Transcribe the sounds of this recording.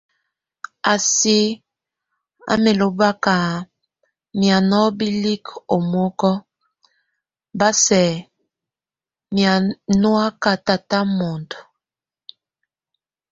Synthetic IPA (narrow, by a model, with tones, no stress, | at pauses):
a˨si˦ | a̰˦me˨lo˨ba˦ka˨ | mja˨nɔ˦bi˦li˦ko˨mo˦kɔ˦ | ba˦sɛ˨ | mja˨nwa˦ka˨ta˨ta˦mo˨nto˨